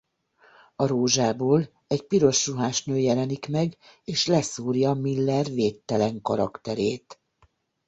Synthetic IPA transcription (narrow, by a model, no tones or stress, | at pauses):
ɒɾoːʒaːboːl | ɛɟpiɾo̞ʃruɦaːʃnøːjɛlɛnikmɛɡeːʃlɛsuːrjɒmilːɛrveːt̪ːɛlɛŋkɒɾɒkt̪ɛɾeːt̪